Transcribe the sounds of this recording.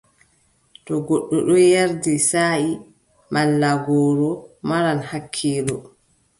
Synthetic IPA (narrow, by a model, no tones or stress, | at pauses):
tɔɡɔɗːɔɗɔjaɾdisaːi | malːaɡɔːɾɔmaɾanhakʰːiːlɔ